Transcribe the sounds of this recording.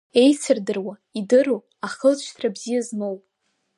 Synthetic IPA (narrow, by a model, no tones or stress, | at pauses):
e̞jt͡sʰɨrdɨrwa | idɨru | aχəzʃʷtʰrabzijazmowpʼ